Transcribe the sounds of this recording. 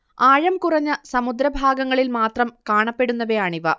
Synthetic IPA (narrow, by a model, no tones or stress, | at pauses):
aːɻɐmkurɐɲːɐsɐmud̪ɾɐbʱaːɡɐŋːɐɭilmaːt̪rɐmkaːɳɐpːe̞ɽunːɐʋɐjaːɳiʋɐ̰